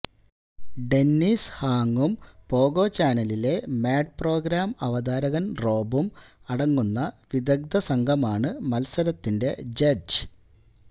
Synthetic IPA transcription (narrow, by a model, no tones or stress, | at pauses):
ɖe̞nːishaːŋːumpo̞ːɡo̞ːt͡ɕaːnɐlile̞maːɖ̚pro̞ːɡɾaːmɐʋɐd̪aːɾɐɣɐnro̞ːbumɐɽɐŋːunːɐʋid̪ɐɡ̚d̪ɐsɐŋɡʱɐmaːɳɨmɐlsɐɾɐt̪ːinde̞d͡ʑɐɖd͡ʑɨ̥